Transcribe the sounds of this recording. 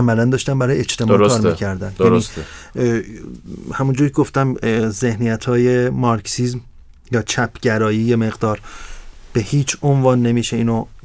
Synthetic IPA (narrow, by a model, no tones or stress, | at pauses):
æmælænd̪ɒːʃt̪æmbæɾɒːjeet͡ʃt̪ʰemːɾkʰɒːɾmicʰæɾd̪ænæɾiː | hæmund͡ʒuːɾikʰeɡoft̪æmze̞hnijæt̪ʰɒːje̞mɒɾksizm | jɒːt͡ʃʰæpʰɟæɾɒːjiːjeme̞ɣd̪ɒːɾb̥ehiːt͡ʃʰonvɒːnːe̞miːʃe̞iːno